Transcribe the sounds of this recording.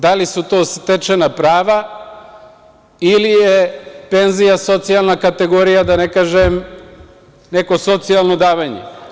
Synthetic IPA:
d̪alisut̪o̞ːst̪et͡ʃenapɾaːʋa | ilijepe̞nzijaso̞t̪sijalnakat̪e̞ɡo̞ɾijad̪anekaːʒem | neko̞so̞t̪sijalˠnod̪aːʋaɲḛ

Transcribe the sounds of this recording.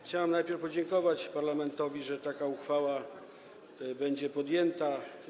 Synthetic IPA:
xt͡ɕawamnajpʲjɛɾfpɔd͡ʑɛŋkɔvat͡ɕpaɾlamɛnt̪ɔvʲiʐɛt̪akauxfawa | bɛɲd͡ʑɛpɔd̪jɛnt̪a

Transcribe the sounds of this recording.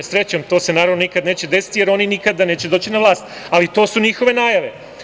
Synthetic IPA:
esɾe̞t͡ɕamt̪o̞ːse̞naːɾaʋnonikad̪ne̞ːt͡ɕed̪e̞si̥t̪ije̞ɾo̞ninikad̪ane̞ːt͡ɕed̪oːt͡ɕinaʋlˠaːst̪alit̪o̞ːsuɲixo̞ʋe̞naːjaʋe̞

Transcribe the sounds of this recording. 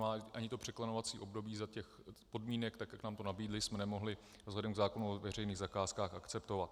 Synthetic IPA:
maːʔaɲɪt̪o̞pr̥ɛklanovat͡siːʔo̞bdo̞biːzacɛx | po̞dmiːnɛkt̪akjaknaːmt̪o̞nabiːdlɪsmɛnɛmo̞ɦlɪ | vzlɛdɛmɡzaːko̞nuovɛr̝ɛjniːɣzakaːskaːxakt͡sɛpt̪o̞vat̪̚

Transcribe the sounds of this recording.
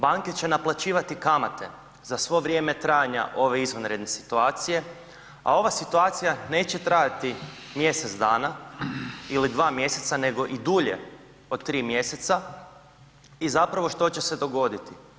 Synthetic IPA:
baŋke̞t͡ɕe̞naplˠat͡ɕiːʋat̪ikamat̪ʰe̞̰ | zasʋo̞ʋɾʲje̞ːme̞t̪ɾajaɲa̰ʔo̞ʋe̞izʋonɾe̞d̪ne̞si̥t̪uaːt̪sije̞ | a̰o̞ʋasit̪uaːt̪sijane̞ːt͡ɕe̞t̪ɾajat̪i | mje̞set̪zd̪aːna | ilid̪ʋaːmje̞se̞t̪sane̞ɡo̞ʔid̪uʎe̞̰ | o̞d̪t̪ːɾiːmje̞se̞t̪sa | izapɾaʋo̞ʃt̪o̞t͡ɕe̞se̞d̪o̞ɡo̞d̪it̪i

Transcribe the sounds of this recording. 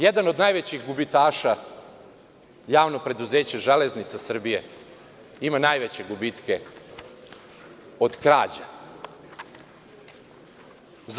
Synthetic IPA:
jed̪ano̞d̪najʋet͡ɕiɣɡubit̪aːʃa | jaːʋnopɾe̞d̪uzeːt͡ɕaʒeleznit̪sasr̩bije | imanajʋet͡ɕeɡubit̪ke̞ | od̪kɾaːd͡ʑa | z

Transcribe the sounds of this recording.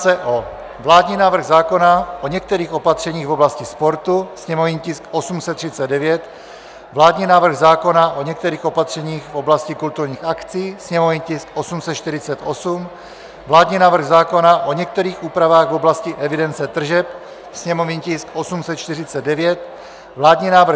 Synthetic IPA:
t͡sɛʔo | vlaːd̪ɲiːnaːvr̩ɣzaːkonaʔoɲɛk̚t̪ɛɾiːxo̞pat̪r̝̥ɛɲiːɣvo̞blascɪspo̞ɾt̪usɲɛmovɲiːcɪskʔosumsɛt̪ːr̥ɪt͡sɛd̪dɛvjɛt̪ | vlaːdɲiːnaːvr̩ɣzaːko̞naʔo̞ɲɛk̚t̪ɛɾiːxo̞pat̪r̝̥ɛɲiːxfo̞blascɪkult̪uɾɲiːxakt͡siːsɲɛmovɲicɪskʔosumsɛt̪t͡ʃt̪ɪɾɪt͡sɛt̪ʔosum | vlaːd̪ɲiːnaːvr̩ɣzaːko̞naʔo̞ɲɛk̚t̪ɛɾiːxuːpɾavaːɣvoblascɪʔɛvɪdɛnt͡sɛt̪r̩ʒɛp̚ | sɲɛmovɲiːcɪskʔosumsɛt̪t͡ʃt̪ɪrɪt͡sɛd̚dɛvjɛt̪ | vlaːdɲiːnaːvr

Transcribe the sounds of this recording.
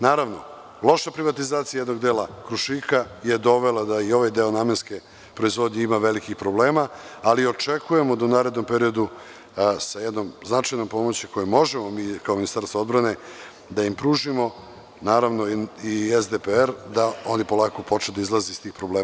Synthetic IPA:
naːɾaʋno̞ | lˠo̞ʃapɾiʋat̪izaːt̪sijajed̪no̞ɡd̪eːlakɾuʃikajed̪o̞ʋelˠad̪aio̞ʋajd̪eo̞naːmenske̞ | pɾo̞izʋo̞d̪ɲeimaʋelikixpɾo̞ble̞ːmaːlio̞t͡ʃe̞kuje̞mo̞d̪aunaːɾe̞d̪no̞mpeɾio̞d̪u | sajɛd̪no̞mznat͡ʃajno̞mpo̞mo̞t͡ɕiko̞jemo̞ʒemomiːkaominist̪aɾst̪vao̞d̪bɾane̞ | d̪aimpɾuːʒimo̞ | naːɾaʋnoiezd̪epeeɾd̪ao̞nipo̞lˠaːkopo̞t͡ʃed̪aizlˠazeist̪iːxpɾobleː

